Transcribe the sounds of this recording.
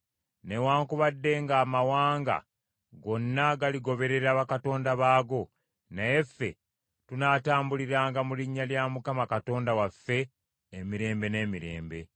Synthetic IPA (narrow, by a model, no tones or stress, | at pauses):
ne̞waːŋkuβadːe̞ŋɡaːmawaːŋɡa̰ | ɡo̞nːaɡaliɡo̞βe̞ɾe̞ɾaːβakato̞ːndaβaːɡo̞ | naje̞fːe̞̰ | tunaːtaːmbuliɾaːŋɡamuliɲːaljamukamakato̞ːndawafːe̞ː | miɾe̞ːmbe̞ne̞ːmiɾe̞̰ːmbe̞̰